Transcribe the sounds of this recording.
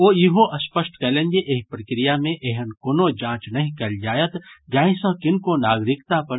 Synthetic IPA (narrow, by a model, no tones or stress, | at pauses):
oːjiɦoʔɐspəʃʈkɛːlẽnd͡ʒeʔeːɦipɾɐkɾɪjamẽʔeɦənkonod͡ʒãːt͡ʃnɐɦĩkɐld͡ʒaːjət̪d͡ʒaːĩsɐ̃kɪnkonaːɡɾɪkt̪apɐɾ